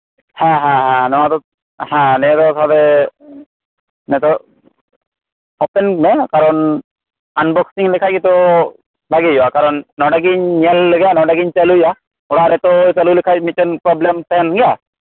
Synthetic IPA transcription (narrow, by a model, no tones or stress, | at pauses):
hɛ̃ɦɛ̃ɦɛ̃nɔat̪ɔ | hɛ̃nɛt̪ɔsʰad̪ɛ | nɛt̪ɔ | ɔpɛnmɛkaɾɔn | anbɔksiŋlɛkʰajkit̪ɔ | bʱaɡejɔakaɾɔnːɔɖaɡiɲniɛlːəɡɛjanɔɖaɡiɲt͡ʃaluja | ɔɽaɾɛt̪ɔjt͡ʃalulikʰajmit̪̚t͡ʃɔnpɾɔblemt̪ɛɦɛnɡja